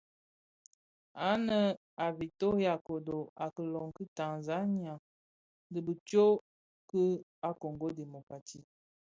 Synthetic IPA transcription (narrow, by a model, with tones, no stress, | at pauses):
a˨˦nə˨ | a˨vi˨to˦ja˨ko˨do˨a˨kə˨lɔ˨ŋkə˦ta˨nza˦ni˦a˨ | də˨bə˨t͡ʃo˦ | kə˦a˦ko˨ŋɡo˦de˨mo˨ka˨ti˦˨